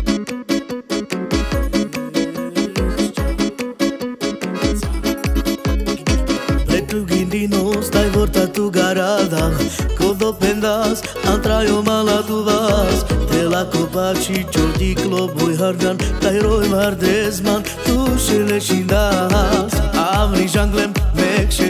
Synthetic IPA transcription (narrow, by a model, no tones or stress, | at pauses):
t͡ʃa | pɛʈ̪uɡind̪inost̪ajvɔɾt̪at̪uɡaɾad̪akod̪opend̪as | ãnt̪ɾajomalat̪udast̪elakopat͡ʃʰit͡ʃoɾt̪iklobojɦaɾd͡ʒant̪ajɾojʋaɾd̪ezman | t̪uʃeleʃind̪aɦasaʋɾiʒaŋɡlemmekʃe